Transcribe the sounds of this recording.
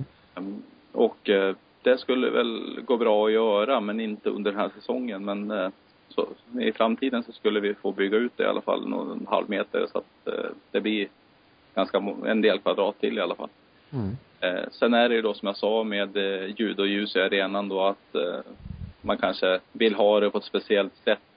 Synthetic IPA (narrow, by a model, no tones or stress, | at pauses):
ɔk | d̪̥ɛskɵlːə̰vɛ̰lɡoːbɾɑːɔjœːɾamɛnɪnt̪əɵ̰nd̪əɖɛnhæːʂɛsɔŋːənmɛn | sɔ̰ɪ̰fɾamt̪ʰiːd̪ənsɔskɵlːəvɪfoːbʏɡːaʉt̪̚d̪ɛ̰ɪa̰lʔa̰fa̰lːno̰nha̰lvmeːt̪ə̰ɾsɔa̰t̪̚d̪̥ɛblɪɾ | ɡ̥anskaɛ̰nd̪eːlkʰvad̪ɾɑːt̪ʰːɪlːɪalːafa̰lː | sɛnæɖɛjɵd̪ɔsɔmjasɑːmeːd̪jʉ̟ːd̪ɔjʉ̟ːsɛaɾeːnand̪ɔat̪ | mankʰanʂəvɪlːɦɑːd̪ɛpʰɔɛt̪spɛsɪɛlt̪sɛt̪ː